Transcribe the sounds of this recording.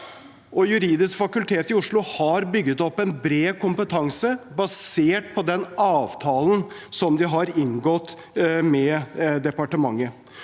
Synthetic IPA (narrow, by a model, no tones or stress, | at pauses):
ʔɔjʉɾiːd̪ɪskfɑkʉlt̪ʰeːt̪ɪʊʂɭʊhɑɾbʏɡːət̪ɔpːɛnbɾeːkʊmpət̪ʰɑŋsəbɑseːʈ̚pʰɔd̪ɛnɑːʋt̪ʰɑːlən | sɔmd̪ɪɦɑɾɪŋɡɔt̪ː | mɛd̪ɛpɑʈəmɑŋːə